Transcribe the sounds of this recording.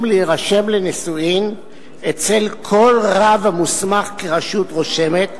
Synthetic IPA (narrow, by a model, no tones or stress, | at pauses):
mleiʁaʃe̞mlenisuim | et͡selkʰo̞lʁavhamusmaχkeʁaʃutʁo̞ʃe̞me̞t̪